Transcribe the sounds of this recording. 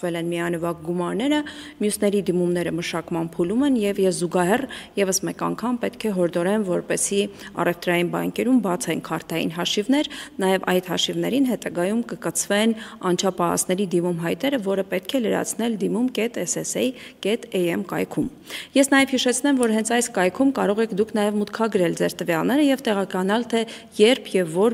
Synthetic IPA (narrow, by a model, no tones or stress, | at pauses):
vɛlɛnmiɑnəvɑk̚ɡumɑɾnɛɾəmjusnɛɾid̪imumnɛɾəməʃɑkmɑnpʰulumɛnjɛvjɛzːuɡɑɦɛrjɛvəsmɛkɑ̰ŋkʰɑmpɛt̪kʰɛɦɔɾd̪ɔɾɛnvɔɾpɛsiɑ̰rɛft̪ɾɑjinbɑ̰ŋkɛɾumbɑt͡sʰɛnkʰɑɾt̪ʰɑjḭnɦɑʃivnɛɾnɑjɛvɑjt̪hɑʃivn̪ɛɾinɦɛt̪ɑɡɑjumkəkət͡sʰvɛnɑnt͡ʃʰɑpɑɦɑ̰sʰnɛɾid̪imumɦɑjt̪ɛɾəvɔɾəpɛt̪kʰɛləɾɑ̰t͡sʰn̪ɛld̪imumkɛt̪ɛsɛsɛj | kɛt̪ɛjɛmkɑ̰jkʰum | jɛsnɑjɛvhiʃɛt͡sʰnɛmvɔɾɦɛnt͡sʰɑjskɑjkʰumkɑɾɔʁɛkʰd̪ukʰnɑjɛvmut̪kʰɑɡɾɛld͡zɛɾt̪əvjɑlnɛɾəjɛvt̪ɛʁɑkɑnɑlt̪ʰɛ | jɛɾpʰjɛvːɔɾ